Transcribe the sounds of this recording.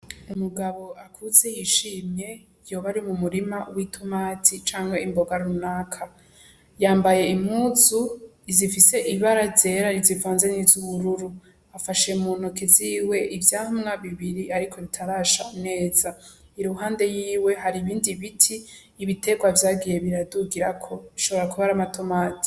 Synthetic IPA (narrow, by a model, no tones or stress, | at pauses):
umuɡaβo̞akʰuze̞jiʃiːmje̞ | jo̞ːβaɾimumuɾimawitʰumaːtʰit͡ʃaːŋhe̞imbo̞ɡaɾunakʰa | jaːmbaje̞imhuːzu | izifise̞ʔiβaɾaze̞ɾaɾizivaːnzenizuβuɾuɾu | afaʃe̞muːnukiziːwe̞ʔivjaːhumŋaβiβiɾiaɾikʰo̞βitʰaɾaːʃane̞ːza | iɾuɦaːnde̞jiːwe̞ɦaɾiβiːndiβitʰiː | βite̞ɡwavjaːɡije̞βiɾaduɡiɾakʰo̞iʃo̞βo̞ɾakuβaɾamatomaːtʰi̥